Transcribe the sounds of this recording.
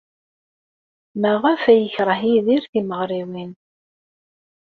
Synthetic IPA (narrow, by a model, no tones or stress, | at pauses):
mæʁæfæjəçɾˤəɦiðiɾθiməʁɾiwin